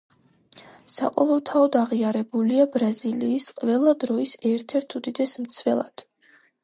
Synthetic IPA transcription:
saqʼɔvɛlˠt̪ʰaɔd̪aʁiaɾɛbuliabɾaziliːsqʼvɛlˠad̪ɾɔisɛɾt̪ʰɛɾt̪ʰud̪id̪ɛsmt̪sʰvɛlˠa̰d̪̥

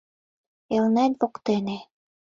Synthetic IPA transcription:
elnænʲβokt̪ene

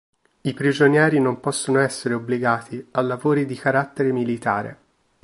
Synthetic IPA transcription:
ipɾid͡ʒonjɛːɾinompɔsːonoɛsːeɾeobliɡaːt̪ʰialːavoːɾid̪ikaɾat̪ːeɾemilit̪aːɾḛ

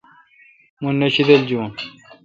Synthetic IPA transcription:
munːɐɕid̪ɐld͡ʑuːn

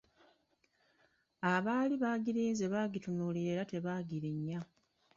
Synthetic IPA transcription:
aβaːliβaːɟiɾiːnzeβaːɟitunuːliɾe̞ːɾate̞βaːɡiɾiɲːa

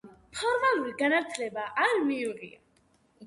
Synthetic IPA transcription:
pʰɔɾmalˠuɾiɡanat̪ʰlɛbaʔaɾmiʁia̰

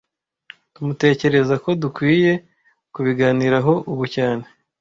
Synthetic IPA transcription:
tumute̞ːce̞ɾe̞zako̞dukwiːje̞ | kuβiɡaːniɾaɦo̞ʔuβucaːne̞

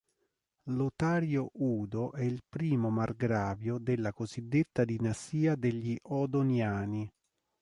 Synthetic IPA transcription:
lot̪aːɾjoʔuːd̪oʔɛilpɾiːmomarɡɾaːvjod̪elːakozid̪ːet̪ːad̪inast̪iːad̪eʎːiʔɔd̪onjaːni

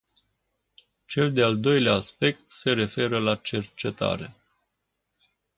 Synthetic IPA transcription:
t͡ʃe̞ld̪e̞ald̪o̞jleaːspe̞k̚t̪se̞ɾe̞fe̞ɾəlat͡ʃe̞rt͡ʃe̞t̪a̰ɾe̞

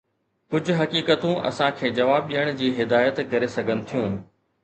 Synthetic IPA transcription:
kʊd͡ʑʱʊ̆ɦɐkiːkət̪ũʔɐ̰sãkʰeːd͡ʑɐʋaːb̚ɗiəɽ̃d͡ʑiːɦɪd̪aːjət̪kɐɾesɐɡʱənɪ̆t̪ʰijũːɦnɪ̆

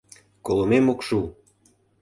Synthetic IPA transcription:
kolˠomemokʃu

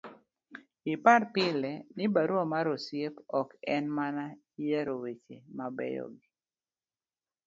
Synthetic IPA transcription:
ɪpaɾpɪlɛnɪbaɾwɔmaɾosjepɔkɛnmana | ijaɾowet͡ʃḛmabɛ̰jɔ̰ɡi

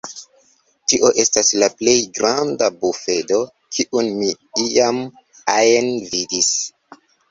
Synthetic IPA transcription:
tiʔo̞ʔe̞staslaple̞jɡɾandabufe̞do̞ | kʰiʔunmi | iam | ajenvidis

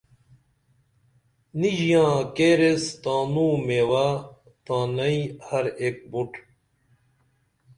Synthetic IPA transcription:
niʑijãːkeːɾest̪ãːnuːmewa | t̪ãːnɐihɐɾek̚buʈ

